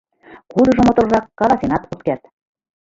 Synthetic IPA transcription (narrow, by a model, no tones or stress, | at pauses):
kud̪ɤ̆ʒɤ̆mot̪ŏlʒɑkːɑlˠɑsenɑt̪ut̪̚kert̪